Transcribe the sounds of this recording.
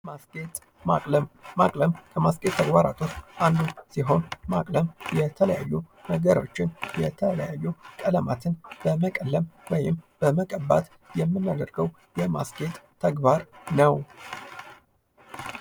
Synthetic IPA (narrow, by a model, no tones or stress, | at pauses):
masɡʼet̪ʼ | ma̰kʼləmːakʼləmkʰəmaskʼe̞t̪ʰːəɡbaɾa̰t̪ʰotːʔand̪usiɦo̞nmakʼləmjɛt̪ʰələjajːu | nəɡəɾo̞̰t͡ʃːɪnjɛt̪ʰələjajːukʼələmat̪ʰɨnb̥əməkʼəlːəmwɔjɪmb̥əməkʼəbːa̰t̪ | jɛmːɨnːad̪əɾɡəw | jɛma̰sɡʼe̞t̪ʼt̪ʰːəɡbaɾnəw